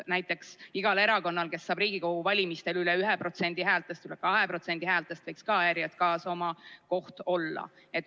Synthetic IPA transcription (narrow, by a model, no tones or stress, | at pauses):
næjt̪ːˑe̞ksiɡ̥ɑle̞ɾɑko̞nːɑlke̞sːɑːbriːɡiko̞huvɑlʲimist̪e̞lylɛyɦɛpro̞t̪se̞nʲd̪̥iɦæːlt̪ˑe̞st̪ylekɑɦe̞pro̞t̪se̞nʲd̪̥ihæːlt̪ːˑest̪vejkskɑɑjæɾjɑt̪kɑːso̞mɑko̞ht̪o̞lːɑ̰ | et̪ː